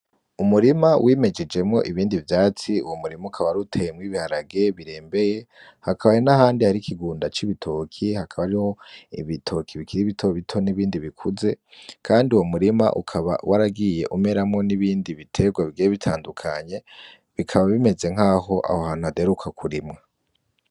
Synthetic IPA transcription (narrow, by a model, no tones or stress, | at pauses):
umuɾimawʔiːme̞d͡ʒe̞d͡ʒe̞mŋo̞ʔiβiːndivjaːt͡siuwomuɾimaukʰaβaɾutʰe̞jemwiβihaɾaɡe̞βiɾe̞ːmbe̞je̞ | hakʰaβajonahaːndihaɾikʰiɡuːndat͡ʃiβitʰokʰihakʰaβaɾiho̞ḭβitʰo̞kʰiβikiɾiβitʰo̞βitʰo̞niβiːndiβikʰuze̞kʰaːndiuwomuɾima̰ʔṵkʰaβa̰waɾaɡije̞ʔume̞ɾamŋo̞niβiːndiβitʰe̞ɡwaβiɡijeβitʰaːndukʰaɲe̞ | βikʰaβaβime̞ze̞ŋ̥aːho̞ʔa̰hohaːn̥uade̞ɾukʰakʰuɾimŋa